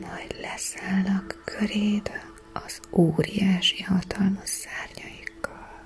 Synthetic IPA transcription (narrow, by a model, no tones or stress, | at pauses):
mɒjd̪lɛsaːlnɒkːʰøɾeːd̪ | ɒz̥oːɾijaːʃihɒt̪ʰɒlmoʃːaːrɲɒjikːɒl